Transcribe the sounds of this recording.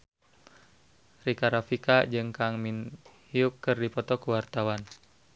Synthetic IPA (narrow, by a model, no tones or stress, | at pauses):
rikaɾafikad͡ʒɨŋkaŋminhiukːɨrdipɔt̪ɔkuwart̪awan